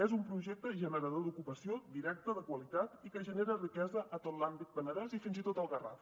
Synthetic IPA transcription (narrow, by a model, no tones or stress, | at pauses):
ɛzumpɾuʒɛk̚t̪əʒənəɾəðod̪ukupəsiod̪iɾɛk̚t̪əðəkwəlit̪at̪ikəʒəneɾərikɛzəʔət̪ot̪lambit̪̚bənəðɛzifinzit̪ot̪əlˠɣəra̰f